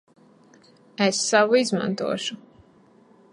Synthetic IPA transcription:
esːawuizmã̰nt̪ṵɔʃu

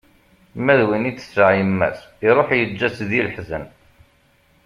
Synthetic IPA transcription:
mæðwini̥səʕjəmːæ̰siɾˤoħjəd͡ʒːæsðilħzən

